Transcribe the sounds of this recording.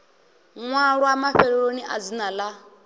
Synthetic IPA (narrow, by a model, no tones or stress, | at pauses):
ŋʷaɾʊamaɸeɾeɾoniʔa̰zinala